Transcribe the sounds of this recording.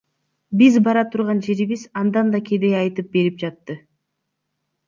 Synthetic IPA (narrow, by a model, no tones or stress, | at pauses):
bizbɑɾɑt̪ʰuɾʁɑnd͡ʒe̞ɾiβizɑnd̪ɑnd̪ɑkʰʲed̪ejɑjt̪ɯp̚be̞ɾip̚d͡ʒɑt̪ːɯ